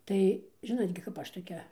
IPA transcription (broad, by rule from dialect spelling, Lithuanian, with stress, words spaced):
ˈtɐɪ ˈʒʲɪnoːt ɡʲɪ kɐp ˈɐʃ toːˈkʲɛ